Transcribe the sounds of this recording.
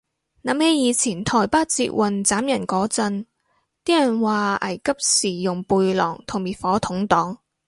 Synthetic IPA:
naː˨˥mhe˨˥jiː˨˧t͡sʰiː˨˩nt̪ʰɔː˨˩jpaː˥t̚t͡sḭː˧t̚wʔɐ˨nt͡saː˨˥mjɐ˨˩nkɔː˨˥t͡sɐ˧n | t̪iː˥jɐ˨˩nwaː˨ʔɐ˨˩jkɐ˥p̚siː˨˩jʊ˨˩ŋpuː˧jlɔ̰ː˨˩ŋt̪ʰʊ˨˩ŋmiː˨t̚fɔː˨˥t̪ʰʊ˨˥ŋt̪ɔː˨˥ŋ

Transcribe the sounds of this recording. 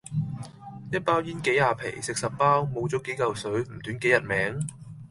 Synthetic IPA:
jɐ˥t̚paː˥wjiː˥nke˨˥jaː˨˧pʰe˨˩jsɪ˨k̚sɐ˨p̚paː˥wmo˨˧wt͡sɔː˨˥ke˨˥jkɐ˨wsɵ˨˥ɥm̩˨˩t̪yː˨˥nke˨˥jɐ˨t̚mɛː˨˥ŋ

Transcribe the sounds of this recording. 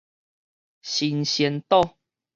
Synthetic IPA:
ɕi˧nɕjɛ˧˦nt̪ɔ˥˦˧

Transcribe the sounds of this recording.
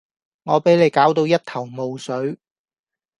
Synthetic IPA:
ŋɔː˨˧pe˨˥jle˨˧jkaː˨˥wt̪̬o˧wjɐ˥t̚t̪ʰɐ˨˩wmo˨wsɵ˨˥ɥ

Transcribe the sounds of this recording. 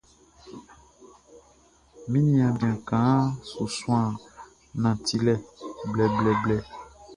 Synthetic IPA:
mĩ˦nĩ˦ã˨bã˨kã˨˦so˨sũ˦ã˦˨ | nã˨t̪i˨lɛ˦blɛ˨blɛ˨blɛ˦

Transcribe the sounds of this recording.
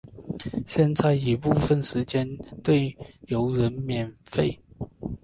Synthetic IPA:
ɕjɛ˥˧nt͡sa˥˩ɪi˨˩pu˥˧fə˥˨nʂɻ̩˧˥t͡ɕjɛ˥˦nt̪we˥˩ɪjo˧˥ʊɻə˧˦nmjɛ˨˩nfe˥˩ɪ

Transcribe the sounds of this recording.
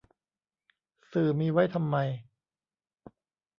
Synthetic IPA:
sɯː˨˩miː˧wa˦˥˩jt̪ʰa˧mːa˧j

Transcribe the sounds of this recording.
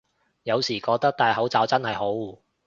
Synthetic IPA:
jɐ˨˧wsiː˨˩kɔː˧k̚t̪ɐ˥k̚t̪aː˨jɦɐ˨˥wt͡saː˨˧wt͡sɐ˥nhɐ˨jɦo˨˥wuː˨˩

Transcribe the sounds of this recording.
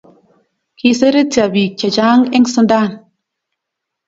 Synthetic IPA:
ki˧se˦ɾe˦ti˨a˨bi˨t͡ʃa˨d͡ʒaː˦ŋɛ˦ŋsu˦ndaː˦˨n

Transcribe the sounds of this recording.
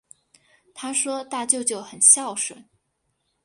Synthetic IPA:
t̪ʰa˥ʂwɔ˥t̪a˥˧t͡ɕjo˥˧ʊt͡ɕjo˥˩ʊxə˨˩nɕjɑ˥˩ʊʂwə̰˨˩˦n

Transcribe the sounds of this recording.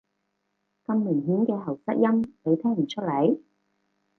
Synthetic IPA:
kɐ˧mːɪ˨˩ŋɦiː˨˥nkɛː˧ɦɐ˨˩wsɐ˥t̚jɐ˥mpe˨˧jt̪ʰɛː˥ŋm̩˨˩t͡ʃʰɵ˥t̚lɐ˨˥j

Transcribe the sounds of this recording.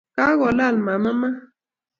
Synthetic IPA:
ka˦ɣɔ˨la˦˨lma˨ma˦ma˦

